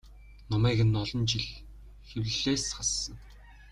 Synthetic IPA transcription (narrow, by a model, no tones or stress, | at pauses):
nɔmæːɣɘ̆nːɔɮɞ̆nt͡ɕiɮ | xewɘɮeːsχassə̆ŋ